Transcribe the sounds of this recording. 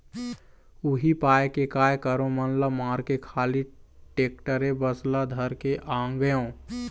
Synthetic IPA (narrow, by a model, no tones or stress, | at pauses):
uɦipaːjkekaːjkəɾõmənləmaːɾkekʰaːliʈek̚ʈəɾebəslad̪ʱəɾkeʔaːŋɡəjõ